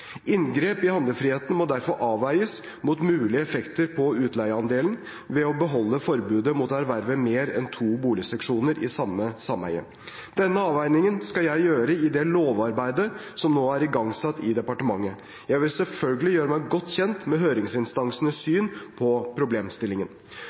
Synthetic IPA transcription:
ɪnɡɾeːpɪhɑnd̪əfɾiːheːt̪n̩mɔd̪æɾfɔɾʔɑːʋæɪəs | mʊt̪mʉːlɪəɛfɛkt̪əɾpʰɔʉːt̪læɪəɑnd̪eːln̩ | ʋɛɔbəɦɔlːəfɔɾbʉːd̪əmʊt̪æɾʋæɾʋəmeːɾɛ̰nt̪ʰuːbuːlɪəsɛkʂuːnəɾʔɪ̰sɑmːəsɑmhæ̰ɪə̰ | d̪̥ɛnːəɑːʋæɪnɪŋənskɑljæɪjøːɾəɪd̪ɛloːʋɑɾbæɪd̪əsɔmnoːæɾɪɡɑŋsɑt̪ːɪd̪ɛpɑʈəmɑŋːə | jæɪʋɪlsɛlfœlɡəlɪjøːɾəmæɪɡɔt̪ːçɛnt̪mɛɦøːɾɪŋsɪnst̪ɑŋsənəsyːnpʰɔpʰɾʊbleːmst̪ɪlɪŋən

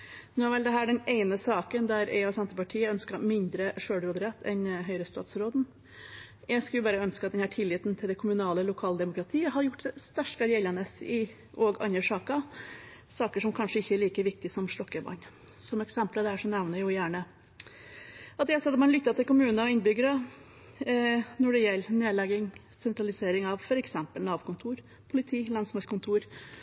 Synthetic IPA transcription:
nʉæɾʋɛld̪ɛɦæːɖɛneɪnəsɑːkənd̪æɾɛ̰ɪɔsɛnt̪əɾpɑʈʰiːəœnskɑmɪnd̪ɾəʂøːɽɾoːd̪ɾɛt̪ʰːɛnɦœʏɾəst̪ɑ̰ːt̪sɾoːd̪n̩ | jæɪskʉlbɑːɾəœnskɑt̪d̪ɛnhæːʈʰɪlːɪːt̪n̩t̪ʰɪld̪ɛkʰʊmʉnɑːləlʊkʰɑːləd̪ɛmʊkɾɑt̪ʰiːəɦɑɾjʊʈːɛst̪æʂʈɡɑɾɪɛlːɑnəsɪ | ʔɔɡɑ̰njəʂɑːkɑ | sɑːkəʂɔmkʰɑnʂəɪçːəɛɭiːkəʋɪk̚t̪ɪsɔmʂlɔkːəbɑ̰n | sɔmɛksɛmpləd̪ɛæʂɔnɛʋnəjʊjæːɳə | ɑt̪jæsɑːt̪mɑnlʏt̪ːɑt̪ʰɪlkʊmʉːnəɔɪnbʏɡəɾə | nɔɖɛjɛlːneːd̪lɛɡɪŋ | sɛnt̪ɾɑlɪseːɾɪŋɑʋfɔɾɛksɛmpəlnɑːʋkʊnt̪ʰuːɾ | pʰʊlɪt̪ʰiːlɑnsmɑskʰʊnt̪ʰuːɾ

